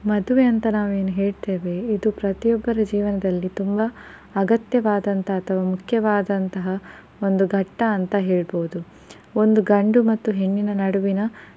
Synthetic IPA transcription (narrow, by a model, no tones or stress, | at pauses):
mɐd̪uʋeɐnt̪ɐnaːʋe̞ːnuɦe̞ːɭt̪e̞ːʋe̞id̪upɾɐt̪ijɔbːɐɾɐd͡ʒiːʋɐnɐd̪ɐlːit̪umbɐː | ɡɐt̪jɐʋaːd̪ɐnt̪ɐːt̪ʰɐʋaːmukʰjɐʋaːd̪ɐnt̪ɐɦɐ | o̞nd̪uɡʱɐʈːɐːnt̪ɐɦe̞ːɭboːud̪u | o̞nd̪uɡɐɳɖumɐt̪ːuɦe̞ɳːinɐnɐɽuʋinɐ